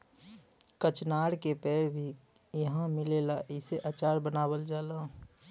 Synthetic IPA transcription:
kət͡ʃnaːɽkepɛːɽbʱi | jəɦãmɪleːlaʔɪseʔat͡ʃaːɾbənaːbəld͡ʒaːla

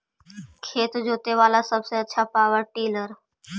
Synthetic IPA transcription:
kʰet̪d͡ʒʱot̪eʋalasəbseətːʃʰapaʋəʈiləɾ

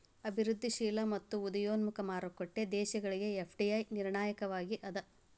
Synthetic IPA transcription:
ɐbʱiɾud̪ʱːiʃiːlɐmɐt̪ːuud̪ɐjoːnmukɐmaːɾukːoʈːe̞d̪ɛːʃɐɡɐɭiɡe̞epʰɖiɐjniɾɳaːjɐkɐʋaːɡiʔɐd̪ɐ

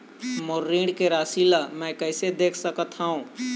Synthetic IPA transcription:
moɾːiːɽkeɾaːsiːlamɛ̃kəɪsed̪eːkʰsəkət̪ɦaɦũ

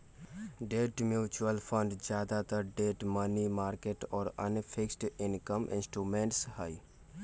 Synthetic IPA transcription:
ɖeːʈmjuːt͡ʃuəlpʰəɳɖd͡ʒjaːd̪at̪əɾɖeːʈmənimaːɾkeʈɔːɾə̰nfʰɪksʈɪnkəmʔɪ̰̃nsʈɾuːmẽːɳʈshai

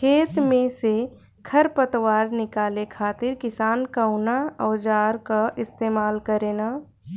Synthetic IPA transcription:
kʰeːt̪mẽse | kʰɐɾpət̪waːɾnɪkaːlekʰaːt̪ɪɾkɪsaːnkaʊnaɔːd͡ʒaːɾkaʔɪst̪eːmaːlkəɾeːna

